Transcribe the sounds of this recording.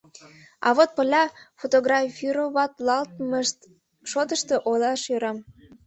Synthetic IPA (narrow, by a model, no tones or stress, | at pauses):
ɑ̰βot̪̚pə̆lʲɑfot̪oɣrɑfʲiɾoβɑt̪lɑlt̪m | ʃot̪əʃt̪oʔolɑʃøɾɑm